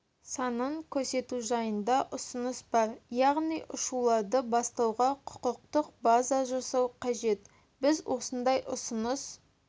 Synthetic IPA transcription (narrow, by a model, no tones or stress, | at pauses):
sɑnəɴkʲʰɵɾse̞t̪uʒɑjənd̪ɑʔʊsənəsbɑɾjɑʁnijʔʊʃulˠɑɾd̪əbɑst̪ɑwʁɑqʰʊ̥qəq̚t̪əq̚bazɑʒɑsɑwqʰɑʒe̞t̪ | bɪzwʔo̞sənd̪ɑjʔʊsʊnəs